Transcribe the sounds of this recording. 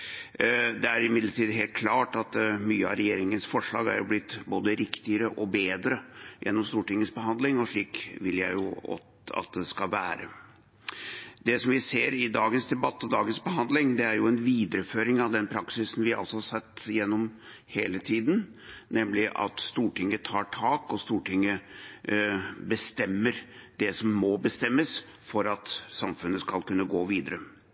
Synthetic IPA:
d̪ɛæɾɪmɪd̪ləʈiːd̪ɦeːlt̪̚kʰlɑːʈɑt̪myːəɑɾɛjeːɾɪŋənsfɔʂɭɑ̰ːɡæ̰ɾjʊblɪt̪ːboːd̪əɾɪkt̪ɪəɾəʔɔbeːd̪ɾəjʔɛ̰nːɔmst̪uːʈɪŋːəsbəɦɑnd̪lɪŋɔʂɭiːkʋɪljæɪjʊɔ̰ | ɑ̰t̪̚d̪ɛskɑʋæːɾə̰ | d̪ɛsɔmʋɪseːɾɪd̪ɑːɡənsd̪ɛbɑt̪ːɔd̪ɑːɡənsbəɦɑnd̪lɪŋd̪ɛæɾjʊɛnʋiːd̪əɾəføːɾɪŋɑʋd̪ɛnpʰɾɑksɪsn̩ʋɪɑ̰lsɔhɑsɛt̪ːjɛnːɔm | heːlət̪ʰiːd̪n | nɛmlɪʔɑ̰t̪st̪uːʈɪŋːət̪ʰɑːʈʰɑːkɔst̪uːʈʰɪŋːə | bəst̪ɛmːəɾd̪ɛsɔmːɔbəst̪ɛmːəs | fɔɾɑt̪sɑmfʉnːəskɑlkʉnːəɡoːʋiːd̪əɾə

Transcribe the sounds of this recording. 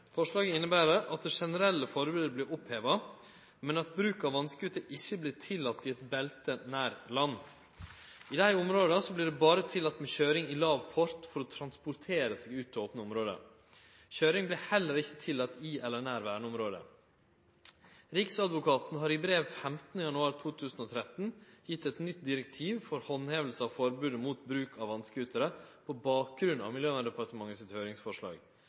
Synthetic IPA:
fɔʂɭɑːɡəɪnːəbæːɾəʔɑt̪̚d̪ɛʂɛnəɾɛlːəfɔɾbʉːd̪əblɪɾɔpheːʋɑ | mɛnɑt̪̚bɾʉːkɑʋɑnskəɡʉt̪ːəʔɪçːəblɪːt̪ʰɪlːɑt̪ːɪɛt̪bɛlt̪ənæːɾlɑnː | ɪd̪æɪʊmɾoːd̪ɑsɔblɪːɖɛbɑːɾət̪ʰɪlɑt̪ːmɛçøːɾɪŋɪlɑːʋfɔɾt̪fɔɾɔt̪ʰɾɑnspʊɾt̪ʰeːɾəseɡʉːt̪̚oːpənəʊmɾoːd̪ə̰ | çøːɾɪŋblɪːhɛlːəɾɪçːət̪ʰɪlːɑt̪ːiʔɛlɛnæɾʋæːɳəɔmɾoːd̪ə̰ | ɾɪksɑd̪ʋʊkʰɑːt̪nɦɑːɾɪbɾeːʋfɛmt̪nəjɑnʉɑːɾt̪ʰuːt̪ʰʉːsn̩ɔːt̪ʰɾɛt̪n̩jɪt̪ːɛt̪nʏt̪̚d̪ɪɾɛk̚t̪ʰiːʋfɔɾhɔnheːʋəl̩səɑʋfɔɾbʉːd̪əmuːt̪bɾʉːkʰɑʋɑnskəʉt̪ʰəɾəpʰɔbɑːk̚ɡɾʉnɑ̰ʋmɪljøːʋæd̪ɛpʰɑɾʈ̪əmɑŋːəsɪt̪høʏɾɪŋsfɔʂɭɑ̰ːɡ

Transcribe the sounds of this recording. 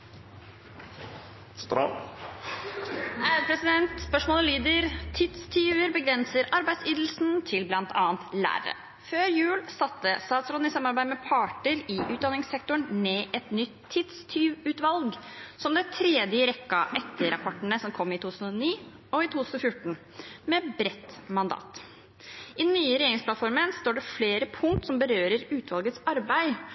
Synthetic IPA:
st̪ɾɑ̰ | æpʰɾɛsɪd̪ɛnt̪spœʂmoːləlyːd̪əɾt̪ʰɪd̪st̪ʰyːʋəɾbəɡɾɛnsəɾʔɑɾbæɪd̪siːd̪l̩sn̩t̪ʰɪlblɑnt̪ʰɑːnt̪læ̰ːɾə̰ | føːɾjʉːlsɑt̪ːəst̪ɑːt̪sɾɔɪsɑmːɑɾbæɪd̪mɛpʰɑːʈəɾɪʔʉːt̪d̪ɑnɪŋsɛkt̪ʊɳmeːʔɛt̪nʏt̪ʰːɪd̪st̪ʰyːʋʉːt̪ʋɑlɡsɔmd̪ɛɪt̪ʰɾɛd̪jəɾɛkːɑʔɛt̪ːəɾɑpʰɔʈəɳəsɔmkʰɔmːɪt̪ʰuːt̪ʰʉːsn̩ɔniː | ɔɪt̪ʰuːt̪ʰʉ̥ːsn̩ɔfjʊʈːɳ̩ | mɛbɾɛt̪mɑnd̪ɑ̰ːt̪ | ʔɪnyːəɾɛjeːɾɪŋspʰlɑt̪fɔɾmənst̪oːɖɛfleːɾəpʰʊŋkt̪sɔmbəɾøːɾəɾʉːt̪ʰʋɑlɡət̪sɑɾbæɪ

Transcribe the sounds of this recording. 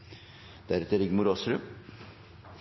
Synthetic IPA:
d̪̥æɾɛt̪əɾɪɡmʊɾoːsɾʉ

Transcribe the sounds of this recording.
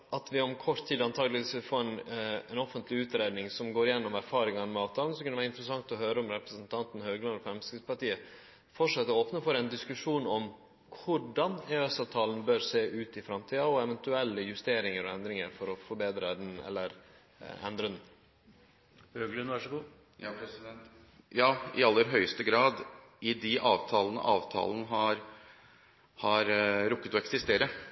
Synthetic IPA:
ɑt̪ʋɪɔmkʰɔʂt̪ʰːiːd̪ɑnt̪ʰɑːɡlɪisɪfoːɾɛnɛnɔfənt̪ʰlɪʉːt̪ɾeːd̪nɪŋsɔmɡoːɾɪjɛnːɔmæɾfɑːɾɪŋɑnmɛɑːʋt̪ʰɑːln̩sɔkʰʉnʋæɾɪnt̪ɾəsɑŋt̪ɔɦøːɾəɔmɾɛpɾəsənt̪ʰɑnt̪n̩høːɡəlɑnd̪ɔfɾɛmst̪ɪspɑʈiːə | fɔʂɛt̪ːəɾoːpnəfɔɾɛnd̪ɪskʉʂuːnɔm | kʰʊɖɑnɛɛsɑʋt̪ʰɑːlən̩bøɾseːʔʉːt̪ɪfɾɑmt̪ʰiːɑɔɛʋɛnt̪ʉɛlːəjʉst̪eːɾɪŋəɾɔɛnd̪ɾɪŋəɾfɔɾɔfɔɾbeːd̪ɾəd̪ɛnɛ̰lːəɾ | ɛ̰nd̪ɾəd̪ɛn | øːɡlʉnʋɑʂəɡuː | jɑːpʰɾɛsɪd̪ɛnt̪ | jɑːɪɑlːəɾɦœʏəst̪əɡɾɑːd̪ | ɪd̪ɪʔɑːʋt̪ʰɑːlənə̰ʔɑːʋt̪ʰɑ̰ːlənəɦɑɾ | hɑɾɾʊkːət̪ɔɛksɪst̪eːɾə

